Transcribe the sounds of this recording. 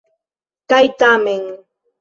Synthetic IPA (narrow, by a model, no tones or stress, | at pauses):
kajt̪amɪŋ